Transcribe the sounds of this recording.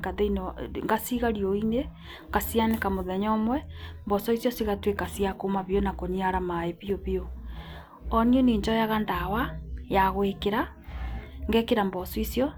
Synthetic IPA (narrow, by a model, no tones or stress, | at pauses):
kaðeinɔŋɡasiɣaɾioine | kasianekamoðɛɲɔmwɛmbɔsɔisjɔsiɣatwekasiakomaβjonakoɲiaɾamaeβioβjo | ɔnioneːɲd͡ʒɔjaɣandawajaɣwekeɾa | ŋɡɛkeɾambɔsɔisjɔ